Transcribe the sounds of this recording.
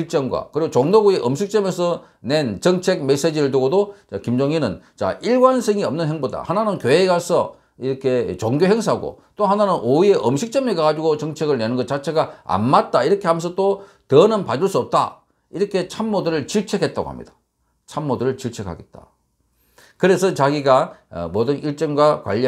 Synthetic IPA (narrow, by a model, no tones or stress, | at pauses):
t͡ɕiɭt͡ɕ͈ʌŋɡwa̰kɯɾiɡot͡ɕoŋnoɡueʔʌmɕʰik̚t͡ɕ͈ʌmesʰʌ | ne̞nt͡ɕʌŋt͡ɕʰe̞ɡ̚me̞s͈ed͡ʑiɾɯɭtuɡodot͡ɕakimd͡ʑoŋinɯnt͡ɕa̰iɭɡwansʰʌŋiʌmnɯnɦe̞ŋboda̰hananɯnkjoɦeɡasʰʌ̰ | iɾʌkʰe̞t͡ɕoŋɡjoɦe̞ŋs̬ʰaɦɡo̰t͈oɦananɯnʔoie̞ʔʌmɕʰik̚t͡ɕ͈ʌmekaɡad͡ʑiɡot͡ɕʌŋt͡ɕʰe̞ɡɯɭnenɯnɡʌtt͡ɕat͡ɕʰe̞ɡaa̰nmat̚t͈aiɾʌkʰe̞ɦamensʰʌt͈o | tʌnɯnpad͡ʑuɭs͈uʌp̚t͈a̰ | iɾʌkʰe̞t͡ɕʰamːodɯɾɯɭt͡ɕiɭt͡ɕʰe̞kʰe̞t̚t͈a̰ɡo̰ha̰mɲḭd̥ḁ | t͡ɕʰamːodɯɾɯɭt͡ɕiɭt͡ɕʰe̞kʰa̰ɡe̞t̚t͈a̰ | kɯɾe̞sʰʌt͡ɕaɡiɡa̰modɯniɭt͡ɕ͈ʌŋɡwakwa̰ʎːi